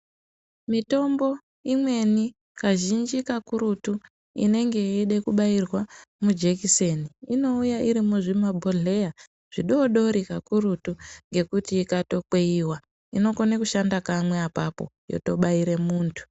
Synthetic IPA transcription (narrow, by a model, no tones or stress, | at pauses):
mito̞mbo̞ | imwe̞ni | kaʒind͡ʒikakuɾutu | ḭne̞ŋɡe̞eɗekuɓairwamud͡ʒekiseniino̞ujaʔiɾimuʐimabʱoɮe̞ja | ʐ̥iɗo̞ɗo̞ɾikakuɾutuŋɡe̞kutiːkato̞k͡pe̞iwa | ino̞konekuʃandakamwe̞apapo̞̰jo̞̰to̞ɓaiɾe̞muːntʰu̥